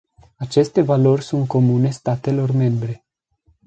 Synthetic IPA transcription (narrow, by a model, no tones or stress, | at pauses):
at͡ʃe̞st̪e̞valo̞rʲsunt̪̚ko̞mune̞st̪at̪e̞lo̞rme̞mbɾe̞